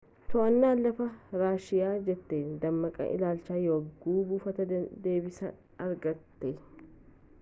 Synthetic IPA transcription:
t̪ɔɐnːaːlɐfɐɾaːʃɪjaːd͡ʒɛt̪ːeːd̪ɐmːɐkʼɐ̰ʔɪ̰laːlt͡ʃːaːjoɡuːbufɐt̪ɐd̪e̞ːbɪsɐ | ɐɾɡɐt̪ːe

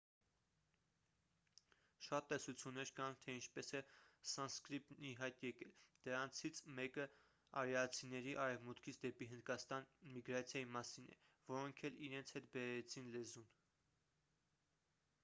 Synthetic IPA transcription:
ʃɑt̪ːɛsut͡sʰjunːɛɾkɑnt̪ʰɛint͡ʃʰpɛsɛsɑnskɾip̪̚iɦɑjt̪jɛkɛld̪̥əɾɑnt͡sʰit͡sʰmɛkə | ɑɾɛɑt͡sʰinɛɾiʔɑɾɛvmut̪kʰit͡sʰd̪ɛpiɦənd̪̚kɑst̪ɑnmiɡɾɑt͡sʰjɑjimɑsinɛ̰ | vɔɾɔŋkʰɛliɾɛnt͡sʰhɛt̪̚bɛɾɛt͡sʰinlɛzun

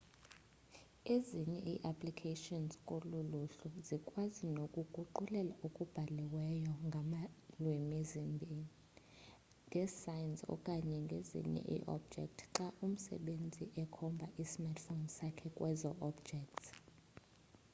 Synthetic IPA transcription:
eziɲɛʔiʔapʰlikʰetɔnskʼoluluɬuzikʼwazinokʼuɡ̥ʱuǃulɛlaukʼub̥ʱalɛwɛjɔŋɡʱamalwemizimbʱini | dɛsajnsɔ̰kʼaɲɛŋɡʱezḭɲɛ̰ʔḭʔɔ̰b̚d͡ʒɛ̰k̚tʰǁaʔum̩sɛ̰ɓend͡zʱiʔɛkʰɔmbʱaʔismatfonsakʰɛkʼwɛzɔʔɔbd͡ʒɛk̚tʰ

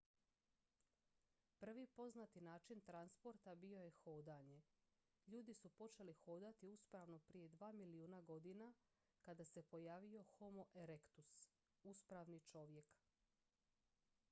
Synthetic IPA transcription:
pr̩ʋipo̞znat̪inaːt͡ʃint̪ɾanspo̞ɾt̪abio̞je̞xo̞ːd̪aɲe̞ | ʎuːd̪isupo̞t͡ʃe̞lixoːd̪at̪iuspɾaːʋno̞pɾije̞d̪ʋaːmiliuːnaɡo̞d̪ina | kad̪ase̞po̞jaːʋio̞xo̞mo̞ʔeɾekt̪us | uspɾaʋnit͡ʃo̞ʋje̞k

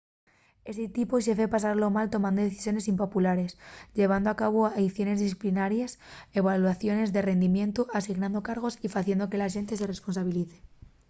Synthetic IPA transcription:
e̞set̪ipoʃ̬efe̞pas̬aɾlo̞malt̪o̞mãnd̪o̞ðeθi̥sjo̞ne̞simpo̞pulaɾe̞sʎe̞βand̪oakaβ̞oejθjo̞ne̞zðisθi̥plinaɾjase̞βalwaθjo̞ne̞zðe̞re̞nd̪imjẽ̞nt̪uʔasiɣnãnd̪o̞kaɾɣ̞o̞sifaθje̞nd̪o̞ke̞laʃe̞nt̪e̞s̬e̞re̞spo̞nsaβ̞iliθe̥

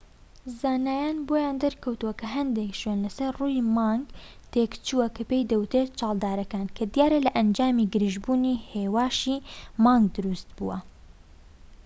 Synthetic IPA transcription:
zaːnaːjaːnboːjaːnd̪ɐɾkʰɐwt̪uwɐkʰɐɦɐnd̪eːkʃoːnlɐsɐɾruːjimɑːŋɡ | t̪eːkt͡ʃuwɐkʰɐpejd̪ɐwt̪et͡ʃɑːlˠd̪aːɾɐkaːnkʰɐd̪ijaːɾɐlɐʔɐnd͡ʒaːmiːɡɨɾiʒbuːniːheːwaːʃiːmaːŋɡ̚d̪ɨɾuːst̪̚bṵwɐ

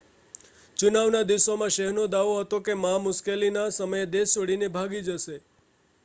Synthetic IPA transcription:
t͡ʃunaʋnad̪iʋsomãʃəɦnod̪aʋoɦət̪okemɦamʊskelinasəməjed̪esʋəɽinebʱaɡid͡ʒəʃe

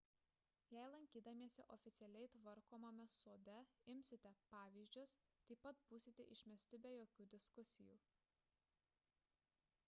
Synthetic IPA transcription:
jæɪlˠɐŋʲkʲiːd̪ɐmʲiɛsʲɪʔɔfʲɪt̪sʲɛlʲɛɪt̪ʋɐɾkoːmɐmʲɛsoːd̪ʲɛɪmʲsʲɪt̪ʲɛpɑːʋʲiːzʲd͡ʒʲʊst̪ɐɪpɐt̪buːsʲɪt̪ʲɛʔɪʃʲmʲɛsʲt̪ʲɪbʲɛjoːkʲuːd̪ʲɪskʊsʲɪjṵː

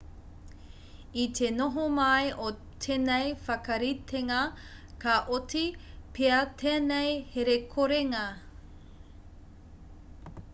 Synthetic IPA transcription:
it̪ʰenoɦomɐjʔo | t̪ʰenejfɐkɐɾit̪ʰeŋɐ | kɐʔotipʰeɐt̪ʰeːnejheɾekʰoɾeŋɐ

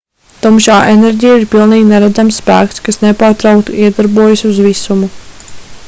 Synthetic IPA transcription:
t̪ɔmʃaːʔenɛɾʲɟʲijaiɾpilˠniːɡnɛɾæd̪zamsːpæ̰ːkt̪skasnepaːɾt̪ɾawkt̪uiɛd̪aɾbuɔjasuzʋisumu

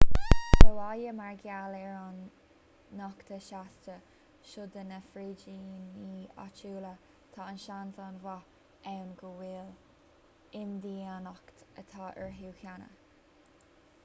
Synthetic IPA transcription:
dəwajəmaɹɡjalɛɹanː | ɑkt̪ʰəʃastə | ʃʊd̪ənəfɾiːd͡ʒiːniːa̰t͡ʃuːlə | t̪ʰɑːənʃanzanvɑ | ɛwnɡəwiːl | ɪnd̪iːanɑkt̪ət̪ʰɑːʔɛɹɦuːkjanə̰

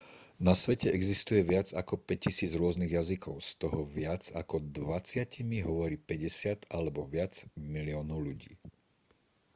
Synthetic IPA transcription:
nasʋɛcɛɛɡzist̪ujɛʋɪad͡zakɔpɛccːisiːd͡zɾʊɔzniɣjazikʰɔʊst̪ɔɦɔʋɪad͡zakɔd̪ʋat͡sɪacimiɦɔʋɔɾiːpɛɟɛsɪat̪alɛbɔʋɪad͡zmiliɔːnɔʊʎuɟḭː

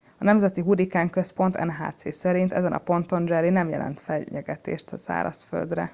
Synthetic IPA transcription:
ɒnɛmzɛt̪iɦuɾikaːŋkø̞spo̞nt̪ɛ̰nɦa̰ːt̪seːsɛɾint̪ɛzɛnʔɒ̰po̞nt̪o̞nd͡ʒɛɾinɛmjɛ̰lʔɛ̰nt̪fɛːɛɡɛt̪ḛːʃt̪ɒsa̰ːɾɒ̰sfø̰ld̪rɛ̰

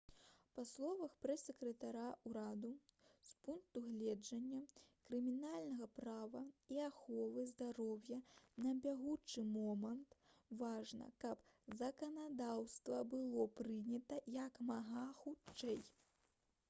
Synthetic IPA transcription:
paslˠɔvɐxpɾɛsʲːɛkɾɛt̪aɾauɾad̪uspunk̚t̪uɣlʲɛd͡ʐɐnʲːɐkɾɨmʲinalʲnɐɣɐpɾavɐiaxɔvɨzd̪aɾɔwjɐnɐbʲaɣut͡ʂɨmɔmɐnt̪vaʐnɐ̰kɐpzɐkɐnad̪awst̪vɐbɨlˠɔpɾɨnʲɐt̪ɐjɐkmaɣaxut͡ʂt͡ʂɛj

